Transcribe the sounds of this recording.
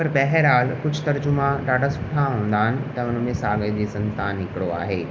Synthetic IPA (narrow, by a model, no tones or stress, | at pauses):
pɐɾbɛɦɛɾaːlkʊd͡ʑʱt̪ɐɾd͡ʑʊmãɗaːɖʱasʊ̥ʈʰaɦũːn̆d̪aːɦɪnɪ̆t̪ɐʊnmẽsaːɡəd͡ʑeːsɐ̃nt̪aːnɦɪkɪɽoa̰ːɦeː